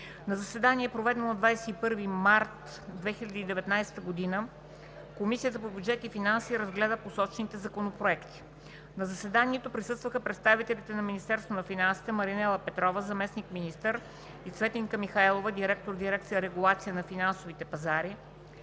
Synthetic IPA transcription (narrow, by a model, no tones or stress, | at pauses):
nɐzɐsvɛd̪aniɛpɾovɛd̪ɛnonɐd̪vajsɛipɤɾvimaɾt̪ | d̪vɛxilʲɐd̪iːd̪ɛvɛt̪najsɛ̥t̪əɡod̪inə | komisiət̪əpobjud̪d͡ʒɛt̪ifinansiːɾəzɡlɛd̪əposɔt͡ʃɛnit̪ɛzɐkonopɾoɛkt̪i̥ | nɐzɐsvɛd̪aniɛt̪opɾisɤst̪vəxəpɾɛt̪st̪avit̪ɛlit̪ɛnɐminist̪ɛɾst̪vonɐfinansi̥t̪ɛmɐɾinɛlˠəpɛt̪ɾɔvəzɐmɛsnikminist̪əɾ | isvɛt̪iŋkəmixaɛlˠovəd̪iɾɛk̚t̪oɾd̪iɾɛk̚t̪sijəɾɛɡulˠat̪sijənɐfinansovit̪ɛpɐzaɾi